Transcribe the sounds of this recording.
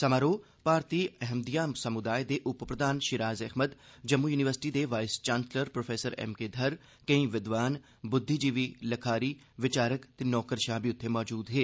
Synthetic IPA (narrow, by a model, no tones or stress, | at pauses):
sɐmaːɾoː | paːɾt̪iːɛɦmd̪ijaːsɐmʊd̪aːed̪eːʔʊppɾəd̪ʱaːnʃɪɾaːzɛɦməd̪d͡ʒɐmːujuːnɪʋəɾsɪ̥ʈid̪eːʋaːɪst͡ʃaːnsləɾpɾoːfʰeːsəɾɛ̰ːmked̪ʱɐɾ | kə̃ĩːʋɪd̪ʋaːn | bʊd̪ʱːid͡ʒiʋiːlɐkʰaːɾiː | ʋɪt͡ʃaːɾəkt̪enɔːkəɾʃaːbiʊt̪ʰːemɔːd͡ʒuːd̪ɦeː